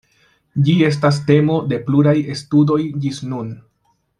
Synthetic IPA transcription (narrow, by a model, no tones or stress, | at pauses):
d͡ʒie̞s̬tas̬te̞mo̞de̞pluɾaje̞studo̞jd͡ʒisnun